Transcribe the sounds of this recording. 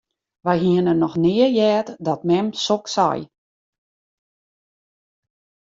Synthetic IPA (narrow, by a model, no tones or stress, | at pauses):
ʋɛjɦiənənɔxnɪərjɛːtdɔtmɛmsoksa̰j